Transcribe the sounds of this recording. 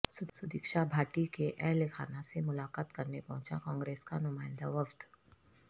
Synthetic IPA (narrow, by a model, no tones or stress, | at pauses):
sʊt̪sʊd̪ikʃabʱaːʈikeʔɛɦlekʰa̰ːnasemʊlaːkaːt̪kɐɾnepɐɦʊ̃t͡ʃa̰kɔ̃ːŋɡɾeːskanʊmaːɪ̃nd̪a̰ʋɐfd̪